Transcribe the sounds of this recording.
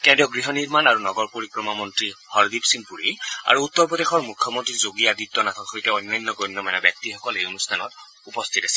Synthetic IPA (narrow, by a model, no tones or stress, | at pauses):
kɛ̃ndiɔɡɹiɦɔniɹmanaɹunɔɡɔɹpoɹikɹɔmamɔntɹihɔɹdipsinpuɹia̰ɹuut̪ːɔɹpɔdexɔɹmukʰːjɔmɔntɹizoɡijaditːɔnatʰɔtxojtɛɔjnːajnːɔɡɔjnːɔmanɛbjak̚tixɔkɔleunustʰanɔ̰t | upɔst̪ʰitasɛ̥